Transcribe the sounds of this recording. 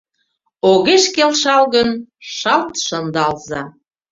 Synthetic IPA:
oɣeʃkelʃɑlɣənʃɑlt̪ʃɤnd̪ɑlzɑ

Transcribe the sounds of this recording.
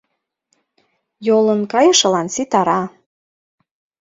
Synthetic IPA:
jolənkɑjɤ̆ʃɤ̆lɑnsit̪ɑɾɑ

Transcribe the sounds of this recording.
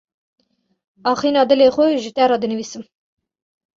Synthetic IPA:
ɑːχiːnɑːd̪ɨleːxʷʊʒət̪ɛɾɑːd̪ɨnɨviːsɨm

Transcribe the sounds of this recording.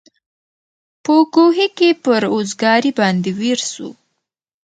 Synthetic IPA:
pəɡoɦikepəɾozɡɑɾibɑnd̪eweɾsṵ

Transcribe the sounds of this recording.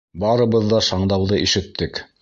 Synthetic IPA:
bɑɾɤ̆βɤðːɑʃɑɴd̪ɑwðɤʔiʃɘ̆t̪ːɘk

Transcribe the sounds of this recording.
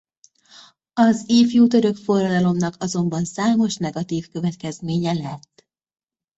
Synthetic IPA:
ɒziːfjuːt̪øɾø̞kfo̞rːɒd̪ɒlo̞mnɒkɒzo̞mbɒnsaːmo̞ʃnɛɡɒt̪iːfkø̞vɛt̪kɛzmeːɲɛlɛt̪ː

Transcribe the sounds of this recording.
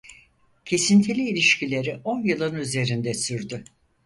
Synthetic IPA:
cʰe̞sint̪ʰilʲiːlʲiʃcʰilʲe̞ɾiʔonjɯlˠɯnyze̞ɾind̪ɛsyɾd̪ʏ

